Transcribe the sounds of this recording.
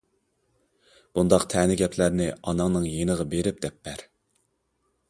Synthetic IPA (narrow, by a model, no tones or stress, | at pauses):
b̥und̪ɑqt̪ʰɛnɪɡʲɛpʰlæɾnɪɑnɑŋnɨŋjenəʁɑbeɾɪp̚d̪ɛpːæɾ